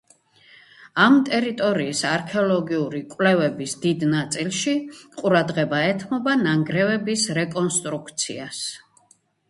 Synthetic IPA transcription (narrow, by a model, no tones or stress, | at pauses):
amt̪ʼɛɾit̪ʼɔɾiːsaɾkʰɛɔlɔɡiuɾikʼwlɛvɛbisd̪id̪nat̪sʼilˠʃiqʼuɾad̪ʁɛbaɛt̪ʰmɔbanaŋɡɾɛvɛbisɾɛkʼɔnst̪ʼɾukʰt̪sʰḭas